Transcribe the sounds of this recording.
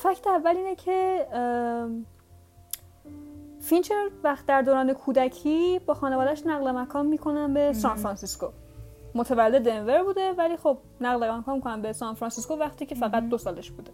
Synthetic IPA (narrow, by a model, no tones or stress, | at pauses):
fæcʰt̪ʰeævːæliːnecʰe̞ | fint͡ʃʰevæxt̪̚d̪æɾd̪oːɾɒːnekʰuːd̪æcʰiːbɒːxɒːnevɒːd̪æʃnæɣlemækʰɒːmmiːkʰo̞nænbe̞sɒːnfɾɒnsisko | mot̪ʰevælːed̪enve̞ɾbuːd̪e̞væliːxo̞b̚næɣlemækʰɒːnmikʰonæmbesɒnfɾɒnsiskovæxt̪ʰiːcʰe̞fæɣæt̪̚d̪osɒːle̞ʃb̥uːd̪e